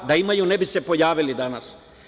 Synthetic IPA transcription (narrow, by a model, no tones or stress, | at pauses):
d̪aimajunebise̞po̞jaːʋilid̪anas